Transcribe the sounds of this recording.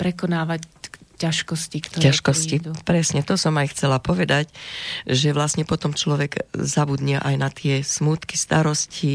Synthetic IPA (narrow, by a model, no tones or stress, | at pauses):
pɾɛkɔnaːʋaccːaʃkɔscikt̪ɔcaʃkɔscipɾɛsɲɛt̪ɔsɔmajxt͡sɛlapɔʋɛd̪acʒɛʋlasɲɛpɔt̪ɔmt͡ʃlɔʋɛɡzabud̪ɲɛʔajnat̪ɪɛsmut̪ki̥st̪aɾɔsci